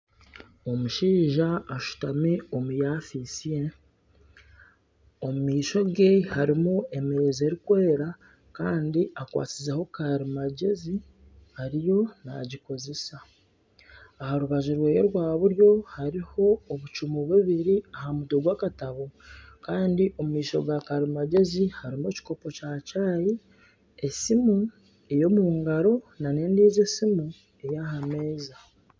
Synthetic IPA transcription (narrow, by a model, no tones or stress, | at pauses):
o̞muʃiːʒaːʃu̥tamio̞mujaːfisije | omumiːʃo̞ɡehaɾimue̞meɾeze̞ɾikwe̞ːɾa | kaːndiʔakwa̰ːt͡sizeho̞kaɾimaɟezi | haɾijo̞na̰ɟiko̞ze̞sa | haɾuβaʒuɾwe̞ːjo̞ɾwaːβuɾjo̞haɾiho̞ːβut͡ʃumoβwuβiɾiaɦamutoɡwaːkataβo̞kaːndiʔo̞mumiːʃo̞̰ɡakaɾimaɟe̞zihaɾimo̞ːci̥ko̞po̞cacaːji | esimu | ejo̞muŋɡaɾo̞nane̞ːndiːze̞simu | e̞jaɦameːza